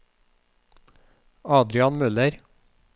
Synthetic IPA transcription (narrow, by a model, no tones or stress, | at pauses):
ɑːd̪ɾɪɑnmʉləɾ